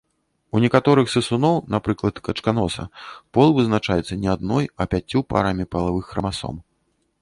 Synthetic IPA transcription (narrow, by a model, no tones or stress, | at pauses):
unʲɛkat̪ɔɾɨxsɨsunɔwnapɾɨklˠɐt̪kɐt͡ʂkanɔsɐ̰pɔlˠvɨznat͡ʂajɛt̪sɐnʲɛad̪nɔjɐpʲat͡sʲːupa̰ɾamʲipɐlˠavɨxːɐmasɔ̰m